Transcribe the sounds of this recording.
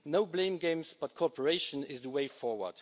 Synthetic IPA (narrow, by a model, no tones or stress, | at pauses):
noʊblẽɪ̃mɡẽɪ̃msb̥ʌt̚kʰɔpʰəɹeɪʃə̃nɪzðəweɪfɔɹwə̰˞d̥